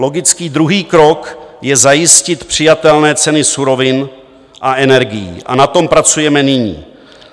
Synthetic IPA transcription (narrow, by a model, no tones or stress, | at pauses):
lo̞ɡɪt͡skiːd̪ɾuɦiːkɾo̞kjɛzajɪscɪt̪pr̝̥ɪjat̪ɛlnɛːt͡sɛnɪsuɾo̞vɪn | ʔaʔɛnɛɾɡɪjḭʔa̰nat̪o̞mpɾat͡sujɛmɛnɪɲḭː